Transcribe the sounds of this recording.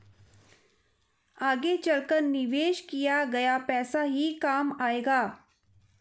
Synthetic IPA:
aːɡet͡ʃɐlkəɾnɪʋeːʃkijaɡɐjapɛːsaɦikaːmaːeːɡaː

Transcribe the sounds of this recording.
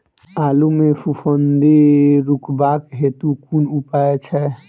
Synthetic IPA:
alumefufʰənd̪iɾukbakɦet̪ukunupaet͡ʃʰɛ

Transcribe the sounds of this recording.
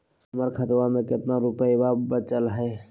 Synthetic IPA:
ɦəməɾkʰət̪wamẽkɪt̪naɾupəjbabət͡ʃəlɦəe

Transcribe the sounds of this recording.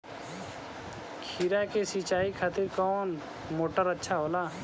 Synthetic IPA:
kʰiːɾakesit͡ʃaːikʰaːt̪ɪɾkɔːn | moːʈəɾətːʃʰaɦoːlaː

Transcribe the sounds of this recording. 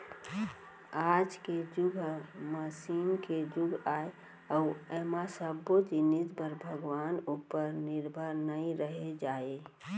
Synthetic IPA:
ad͡ʒked͡ʒuɡʱməsinked͡ʒuɡʱae | auemasəbːod͡ʒinit̪bəɾbʱəɡʋanupːəɾniɾbʱəɾnəiɾəɦed͡ʒae

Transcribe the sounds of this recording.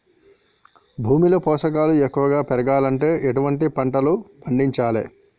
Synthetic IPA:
bʱuːmilɐpɔːʂɐk̬aːluekːuʋɐɡaːpɛɾɐɡaːlɐɳʈe̞ːʔeʈuʋɐɳʈipɐɳʈɐlupʰɐɳɖiɲt͡ʃaːlḛ

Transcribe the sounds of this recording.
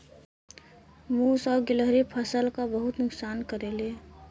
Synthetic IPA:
musɔːɾɡɪləɦɾipʰəsəlkabəɦʊt̪nʊksaːnkəɾele

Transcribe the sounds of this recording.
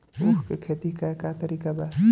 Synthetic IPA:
uːkkekʰeːt̪ikaekat̪ɐɾiːkabaː

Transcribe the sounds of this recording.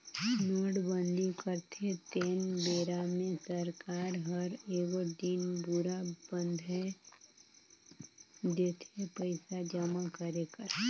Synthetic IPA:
noːɽbə̃nd̪ikəɾt̪ʰet̪eːnbeːɾamẽsəɾkaːɾɦəɾeːɡod̪inbuɾabə̃nd̪ʱɦɛ | d̪eːt̪ʰepəɪsad͡ʒəmakəɾekəɾ

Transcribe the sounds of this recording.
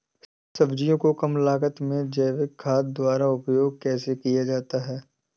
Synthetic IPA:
sɐbd͡ʒijõkokɐmlaːkət̪mẽd͡ʒɛːʋɪkkʰaːt̪̚d̪waːɾaʊpjoːɡ̚kɛːsekijad͡ʒaːt̪aɦɛː

